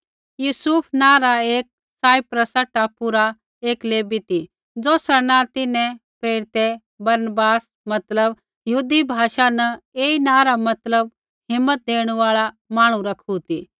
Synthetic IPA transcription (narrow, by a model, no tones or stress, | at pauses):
juːsupʰnãːɾaeːk̚ | saːipɾəsəʈːapuɾa | eːkleːbit̪i | d͡zoːsɾanãt̪ɪnɛ̃pɾeːɾɪt̪e | bɐɾnəbaːs | mɐt̪ləb | jɐɦuːd̪ibʱaːʃanɐeːinãːɾamɐt̪ləb̚ | ɦɪmːət̪̚d̪eːɽ̃ʋaːɭa | maːɽ̃ũɾɐkʰut̪iː